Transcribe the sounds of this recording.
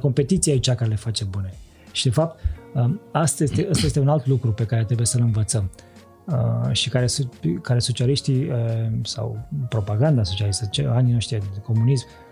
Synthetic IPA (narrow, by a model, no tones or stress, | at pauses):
ko̞mpe̞t̪it̪sijait͡ʃakaɾele̞fat͡ʃe̞bune̞ | ʃid̪e̞fap̚t̪̚əast̪ajest̪eʔast̪ajest̪eunalt̪lukɾupe̞kaɾet̪ɾebujesəlɨnvət̪səm | əʃikaɾe̞sunt̪kaɾeso̞t͡ʃialiʃt̪iəsa̰wpɾo̞paɡand̪aso̞t͡ʃialist̪ət͡ʃeaninoʃt̪ieko̞munism